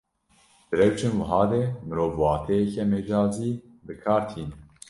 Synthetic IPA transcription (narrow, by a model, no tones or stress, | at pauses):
d̪̥ɨɾɛwt͡ʃenwɨɦɑːd̪eːmɨɾoːvwɑːt̪ʰɛjɛkɛmed͡ʒɑːziː | bɨkʰɑːɾt̪ʰiːnɛ